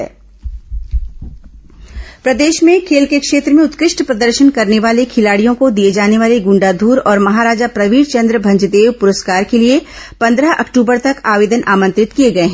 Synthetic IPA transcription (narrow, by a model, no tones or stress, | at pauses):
ɛ̰ː | pɾɐd̪eːʃmẽkʰeːlkekʃeːt̪ɾəmẽʊt̪kɾɪʃʈpɾɐd̪əɾʃənkɐɾneʋaːlekʰɪlaːɽijõkod̪ijed͡ʒaːneʋaːleɡʊ̃ɳɖaːd̪ʱuːɾɔːɾmɐɦaːɾaːd͡ʒapɾɐʋiːɖt͡ʃɐ̃nd̪ɾəbʱɐ̃ɲd͡ʒəd̪eːʋpʊɾəskaːɾkelie | pɐ̃nd̪ɾəɦʔɐ̰kʈuːbəɾt̪ɐkaːʋeːd̪ənʔaːmə̃nt̪ɾɪt̪kieɡɐeɦɛ̃ː